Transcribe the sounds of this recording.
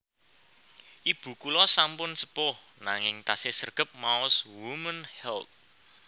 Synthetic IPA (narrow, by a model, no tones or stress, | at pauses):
ʔib̥ṳkulɔsampʊnsəpʊhnaŋɪŋt̪asɪsərɡ̥ə̤p̚maʊswumənhɛlt̪̚